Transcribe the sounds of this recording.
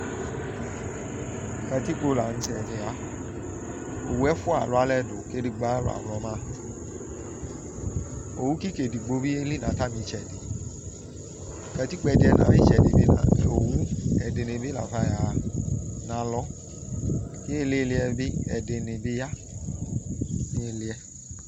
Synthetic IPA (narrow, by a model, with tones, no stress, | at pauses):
kɛ˧ti˦k͡po˧la˨n̩˨˦sɛ˨de˨a˨˦ | o̰˨wu˦ɛ˦fʊ˦a̰˨lʊ˨˦a˨˦lɛ˧do˨ke˧di˨ɡ͡ba˦lo̰˦a̰˨m˨lɔ˨˦mãː˦˨ | o˨wu˦ki˦ke˨di˨ɡ͡bo˧˦bi˦e˦li˦nã˨˦ta˦mĩ˨˦t͡ʃɛ˨di˨ | kɛ˧ti˦k͡pɛ˧di˦ɛ˧nã̰˨˦mĩ˦t͡ʃɛ˨di˨bi˦nã̰˨o˨wu˦ɛ˨de˨nẽ˨bi˦la̰˨fa˧˦˨ja˨˦nã˨˦lɔ˨˦ | ki˦e˦˨le˦˧li˧ɛ˧bi˦ɛ˨de˨ne˨be˧˦ja˦ | nĩ˦e˧li˧ɛ˧